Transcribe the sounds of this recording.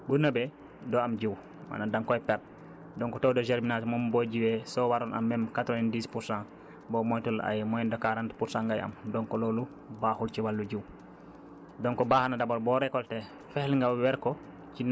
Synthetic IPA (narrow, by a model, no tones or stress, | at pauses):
bunabɛ | dɔamd͡ʒiw | ma̰nadaŋkɔɛpɛɾ̚ | dɔŋkɔtowdɔd͡ʒɛɾminatmɔmbɔd͡ʒiwɛsɔwaɾɔnʔa̰mːɛmkatɾɔnɛndispuɾsãn | bɔmɔjtula̰jmɔjndɔkaɾantpuɾsãŋɡaja̰mdɔŋkɔloːlu | bahult͡ʃiwalːud͡ʒiw | dɔŋkɔbahanadabɔɾbɔɾɛkɔltɛ | fɛhlŋɡawwɛɾkɔ | t͡ʃin